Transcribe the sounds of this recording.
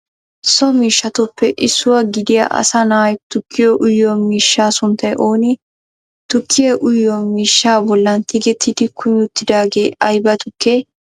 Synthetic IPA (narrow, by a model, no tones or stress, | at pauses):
sɔmiːʃːɐt̪ʊpːɛʔɪsːʊwɐɡɪd̪ɪjɐ̰ʔɐ̰sɐnaːjt̪ʊkʰːɪjɔʔʊjːɔmiːʃːaːsʊnt̪ːɐjʔo̞ːnɪ | t̪ʊkʰːɪjɛʔʊjːɔmiːʃːaːbɔlːɐnt̪ɪɡɛt̪ʰːɪd̪ɪkʰʊmɪʊt̪ːɪd̪aːɡe̞ːɐjbɐt̪ʊkːe